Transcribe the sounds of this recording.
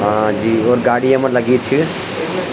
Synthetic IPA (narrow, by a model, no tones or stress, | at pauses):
d͡ʒiːoːɾɡaːɽiɐmənlɐɡit͡ʃ̪ʰi